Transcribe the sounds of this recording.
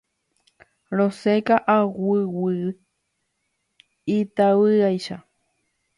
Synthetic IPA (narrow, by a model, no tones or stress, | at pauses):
ɾosekaʔawɨwɨ | it̪awɨajʃa